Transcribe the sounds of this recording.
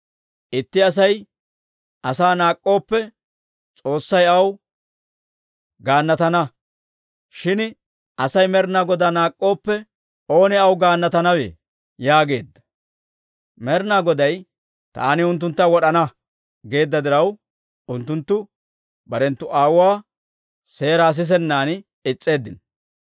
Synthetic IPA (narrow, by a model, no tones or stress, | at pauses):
ʔɪt̪ːɪɐs̬ɐj | ʔɐsaːnaːkʼːo̞ːpːɛ | t͡sʼo̞ːsːɐjɐw | ɡaːnːɐt̪ɐnɐ | ʃɪn | ʔɐsɐjmɛɾnaːɡɔd̪anaːkʼːo̞ːpːɛ | o̞ːnɪɐwɡaːnːɐt̪ɐnɐwḛː | jaːɡe̞ːd̪ːɐ̥ | mɛɾnaːɡɔd̪ɐj | t̪a̰ːnɪʊnt̪ːʊnt̪ːɐwɔɗɐnɐ | ɡe̞ːd̪ːɐd̪ɪɾɐw | ʊnt̪ːʊnt̪ːʊ | bɐɾɛnt̪ːʊʔaːwʊaː | se̞ːɾaːs̬ɪs̬ɛnːaːn | ɪt͡sʼːe̞ːd̪ːɪn